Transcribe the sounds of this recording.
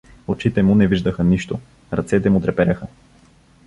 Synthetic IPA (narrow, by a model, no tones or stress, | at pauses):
ot͡ʃit̪ɛmʊnɛviʒd̪əxəniʃt̪ʊ | ɾɐ̰t̪sɛt̪ɛmʊt̪ɾɛpɛɾʲɐxə